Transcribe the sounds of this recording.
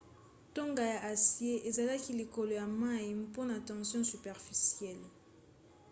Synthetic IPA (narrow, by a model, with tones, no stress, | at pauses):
to˦ŋɡa˨ja˨ʔa˨sje˦ʔe˨za˨la˦ki˦li˨ko˨lo˨ja˨ma˦i˨po˦na˨tɑ̃˨ŋsjɔ̃˦sy˨pɛ˨ʁfi˨sjɛ˦˨l